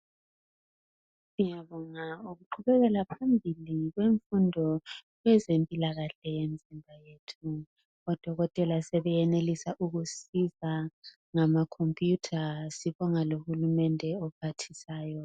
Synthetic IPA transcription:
sijaβɔŋauɣuǃʰuβɛɣɛlapʰambʱiliɣweɱfundʱɔ | ɣwɛzempʼilaɣaɬɛjenid͡zʱimbʱajetʰu | ɔd̥ʱɔɣɔtʼɛlasɛβɛjɛnelisaʔuɣusiza | ŋamakʰɔmpʼjutʰasiβɔŋalohulumɛndʱɛɔpʰatʰisaːjɔ

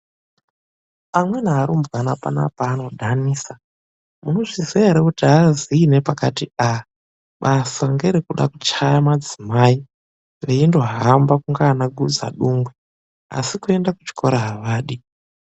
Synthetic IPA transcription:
amwe̞naːɾumbwanapa̰na̰paːno̞dʱaniːsa | muno̞ʐizeɾekutiaziːne̞pakatia | ɓasaŋɡeɾikuɗa̰kut͡ʃajamad͡zimaːi | ʋeindwaɦambakuŋɡaːnaɡʱud͡za̰ɗuŋɡwe | a̰sikue̞ndakut͡ʃi̥kʰo̞ɾaɦaʋaːɗi

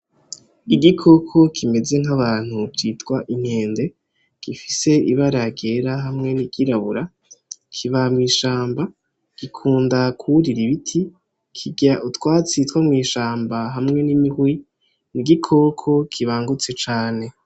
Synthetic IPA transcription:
iɡikʰo̞kʰo̞kʰime̞ze̞ŋ̥aβaːn̥ut͡ʃitkwaʔin̥he̞ːnde̞ | ɡ̥ifise̞iβaɾaɡeɾaɦamŋe̞niɡ̥iɾaβuɾa | kʰiβamŋiːʃaːmba | ɡ̥ikʰuːndakʰuɾiɾiβitʰi | kʰiɟaʔutwaːt͡sitwamŋiːʃaːmbaɦamŋe̞nimihwi | niɡikʰo̞kʰo̞kʰiβaːŋɡut͡se̞t͡ʃaːne̞

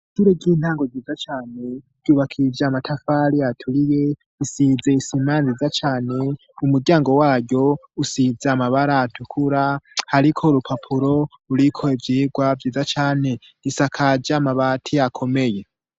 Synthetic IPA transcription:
ʃuɾeɟiːn̥haːŋɡo̞viːzat͡ʃaːne̞ | ɟ̥uːβakʰivjaːmatʰafaɾiatʰuɾije̞ | isizeisimaːnzizat͡ʃaːne̞ | umuɾɟaːŋɡo̞waːɟo̞usizeamaβaɾaːtʰukʰuɾahaɾikʰo̞ɾupʰapʰuɾo̞ | uɾikʰo̞ivjiːɡwavjiːzat͡ʃaːne̞ | nisakʰad͡ʒamaβatʰijakʰo̞me̞je̞

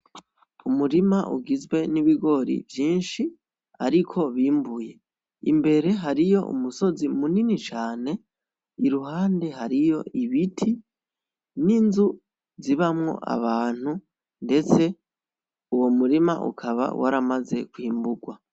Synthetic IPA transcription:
umuɾimaʔṵɡizwe̞niβiɡo̞ɾḭvjiːnʃi | aɾikʰo̞βiːmbuje̞ | ḭmbe̞ɾe̞ɦaɾijo̞ṵmuso̞zimuninit͡ʃaːne̞ | iɾuɦaːnde̞ɦaɾijo̞̰iβitʰi | ninzu | ziβamŋo̞̰ʔa̰βaːn̥u | nde̞t͡se̞ | uwo̞muɾima̰ʔṵkʰaβa̰wʔa̰ɾamaze̞kwiːmbuɡwa

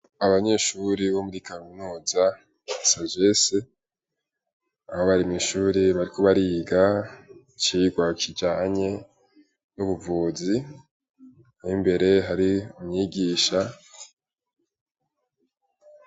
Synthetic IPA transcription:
aβaɲe̞ʃuɾiβo̞muɾikaminuːza | saʒese | ahoβaɾimiʃuːɾiβaɾikʰo̞βaɾiːɡa | t͡ʃiːɡwakʰid͡ʒaːɲe̞ | nuβuvuːzi | himbe̞ɾe̞ɦaɾiumɲiːɡiːʃa

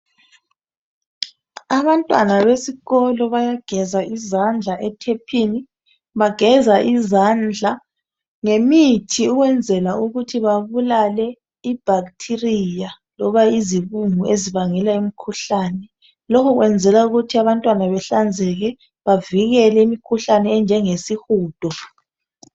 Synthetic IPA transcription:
aβantʼwa̰naβesiɣɔlɔβajaɡ̥ʱɛzaizand͡ɮʱaʔɛtʰɛpʰini | βaɡ̥ʱɛzaʔizand͡ɮʱa | ŋemitʰiuɣwɛnd͡zʱɛlauɣutʰiβaβulalɛ | ib̥ʱaktʰirija | lɔβaiziβuŋuʔeziβaŋɛlaimikʰuɬaːnɛ | lɔkʰɔɣwɛnd͡zʱɛlauɣutʰiaβantʼwanaβɛɬand͡zʱɛɣɛ | βaviɣɛlɛimikʰuɬanɛːnd͡ʒʱɛŋesixuːd̥ʱɔ

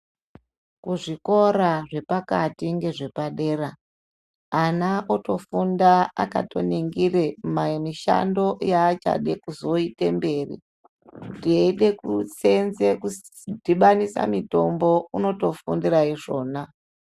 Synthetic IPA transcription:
kuʐiko̞ɾaʐe̞pakatiŋɡe̞ʐe̞paɗe̞raː | naʔoto̞fundaa̰kato̞̰niŋɡiremamiʃa̰ndo̞jaːt͡ʃa̰ɗekuzo̞itembe̞ːrḭ | dieiɗe̞kut͡se̞nze̞ku | diɓanisa̰mito̞mbo̞uno̞to̞fundiraiʐo̞ːna

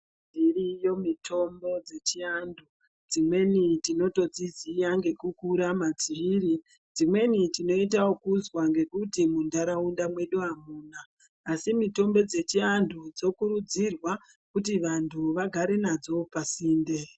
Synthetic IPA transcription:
irijo̞mitʰo̞mbo̞d͡ze̞t͡ʃiandʱu | d͡zimwe̞nitino̞to̞d͡zizijaŋɡe̞kukuɾamad͡ziːri | d͡zimwe̞nitino̞it̬awokuzwaŋɡe̞kutimundaɾaundamwe̞ɗuamuːnaː | simito̞mbo̞d͡ze̞t͡ʃiandʰud͡zo̞kuɾud͡zirwa | kutiʋantʰuʋaɡʱaɾe̞nad͡zo̞pasiːnde̞

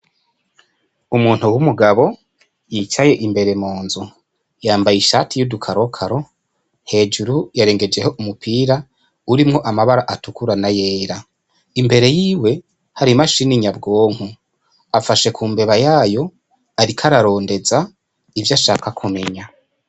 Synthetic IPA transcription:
umuːn̥huwumuɡaβo̞ | jiːt͡ʃaje̞ʔimbe̞ɾe̞moːnzu | jaːmbajiʃatijudukʰaɾo̞kʰaɾo̞ | he̞ːd͡ʒuɾujaɾe̞ːŋɡe̞d͡ʒe̞hoʔumupʰiːɾa | uɾimŋo̞ʔamaβaɾaʔatukuɾanaje̞ːɾa | imbe̞ɾe̞jiːwe̞ | haɾimaʃiniɲabɡo̞ːŋ̥u | afaʃe̞kʰuːmbe̞βajaːjo̞ | aɾikʰaɾaɾo̞ːnde̞za | ivjaʃaːkakʰume̞ɲa

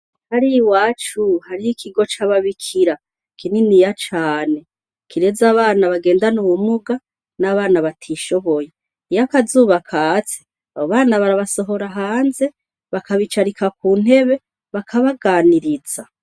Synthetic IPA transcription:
haɾiwaːt͡ʃuhaɾiikʰiɡo̞t͡ʃaβaβikʰiɾa | kʰininijat͡ʃaːne̞ | kʰiɾe̞zaβaːnaβaɡe̞ːndanuwumuɡa | naβaːnaβatʰiʃo̞βo̞je̞ | ijakazuːβakʰat͡se̥ | aβoβaːnaβaɾaβaso̞ɦo̞ɾaɦaːnze̞ | βakaβit͡ʃaɾikʰakuːn̥he̞βe̞ | βakʰaβaɡaːniɾiz̥a

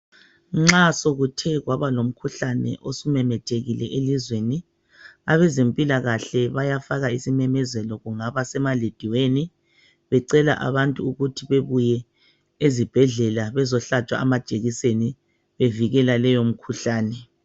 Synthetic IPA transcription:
ŋ͡ǁasoɣutʰɛɣwaβalom̩kʰuɬanɛ̰ʔosumɛmɛtʰeɣilɛʔelizweni | aβɛzempʼilaɣaɬɛβajafaɣaisimɛmɛzɛlɔɣuŋaβasɛmaled̥ʱiweni | βɛǀɛla̰ʔa̰βantʼuuɣutʰiβeβujɛ | ezib̥ʱɛɮɛlaβɛzɔɬat͡ʃʼwa̰amad̥ʒ̥ʼʱeɣiseni | βeviɣɛlalɛjom̩kʰuɬaːnɛ

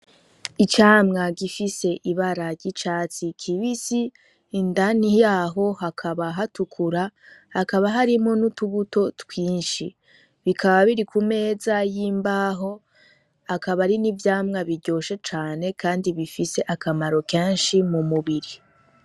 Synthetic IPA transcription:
it͡ʃaːmŋaɡifise̞ʔiβaɾaɾɟit͡ʃaːt͡sikʰiβisiː | ndanijaːɦo̞hakʰaβaɦatukʰuɾahakaβaɦaɾimo̞nutuβuto̞twiːnʃḭ | βikʰaβaβiɾikume̞ːzajiːmbaɦo̞ | akaβaɾinivjaːmŋaβiɟo̞ːʃe̞t͡ʃaːne̞kʰaːndiβifise̞ʔakamaɾo̞ke̞ːnʃimumuβiɾi

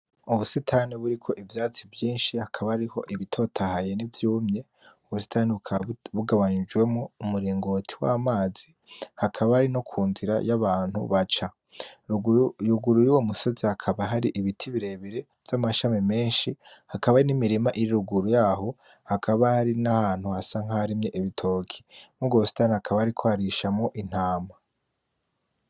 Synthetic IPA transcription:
uβusitʰaːniβuɾikʰo̞ʔivjaːt͡sivjiːnʃihakʰaβahaɾiho̞ʔiβitʰo̞tʰahaje̞nivjuːmɲe̞ | uβusi̥taːneβukʰβuɡaβaɲid͡ʒwe̞moumuɾiːŋɡo̞ːtʰi̥waːmaːzi | hakʰaβahaɾino̞kʰuːnziɾa̰jaβaːnhṵβat͡ʃa | juɡuɾujuwomusozihakʰaβaɦaɾiʔiβitʰiβiɾe̞βiɾe̞ | v̥jamaʃamime̞ːnʃihakaβanimiɾimaʔiɾiɾuɡuɾujaːho̞ | hakʰaβahaɾinahaːn̥huhasaŋ̥ahaɾimɲe̞ʔiβitʰo̞ːkʰi̥muɡosi̥tanhakʰaβahaɾikʰo̞haɾiʃamŋo̞ʔin̥haːma

